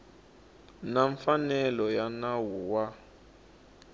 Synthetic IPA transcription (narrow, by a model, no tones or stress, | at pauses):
naɱfanɛlɔjanawuwa